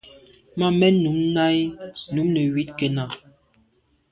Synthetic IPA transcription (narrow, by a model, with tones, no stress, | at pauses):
ma˦˨mɛ˦nu˨˦mna˦jnu˨˦mnɛ˨wi˨˦tkɛ˨na˨